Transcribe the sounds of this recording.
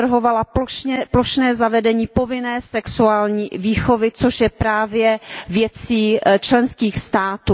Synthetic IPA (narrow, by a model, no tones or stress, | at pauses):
r̩ɦovalapoɛploʃnɛːzavɛdɛɲiːpo̞vɪnɛːsɛksuaːlɲiːviːxovɪt͡soʃjɛpɾaːvjɛvjɛt͡siːt͡ʃlɛnskiːxst̪aːt̪uː